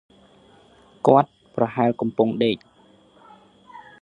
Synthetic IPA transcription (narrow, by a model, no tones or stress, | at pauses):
kŏət̪̚ | prɑɦaɛlkɑmpʊŋɗeːc̚